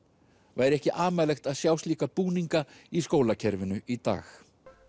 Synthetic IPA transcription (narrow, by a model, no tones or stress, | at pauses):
vaɛɾɛhcɪʔaːmaːlɛxt̪aðsjawsliːkapuːniŋkaiskoːwlacʰɛɾvɪnʏʔit̪a̰ːx